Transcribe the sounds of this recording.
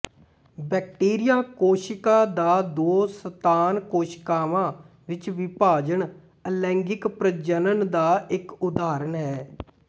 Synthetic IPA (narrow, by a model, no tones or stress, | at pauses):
bɛːk̚ʈeːɾɪjãːkoːʃɪkãːd̪aːd̪oːsət̪aːnkoːʃkaːʋãː | ʋɪt͡ʃʋipaːd͡ʒəɳ | əlɛ̃ːŋɡɪkpɾəd͡ʒənənd̪aːɪkʊd̪aːɾəɳɦɛː